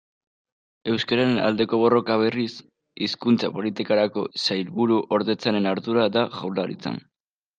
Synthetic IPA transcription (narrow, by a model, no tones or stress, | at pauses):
e̞wskaɾaɾena̰ld̪e̞ko̞βo̞ro̞kaβ̞e̞ris | iskunt͡sapo̞lit̪ikaɾako̞sajlβuɾuʔo̞ɾðe̞t͡sane̞naɾðuɾaðaʝawlaɾḭt͡sa̰n